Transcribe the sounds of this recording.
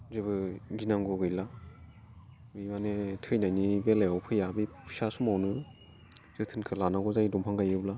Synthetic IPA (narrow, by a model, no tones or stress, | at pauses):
zɯbɯɡinaŋɡɔɡɯjla | bimanetʰɯjnajnibelejawpʰɯjabipʰu̥sasumawnɯ | z̥ɯtʰɯnkʰɯlanaɡɔzajdɔmpʰaŋɡajɯbla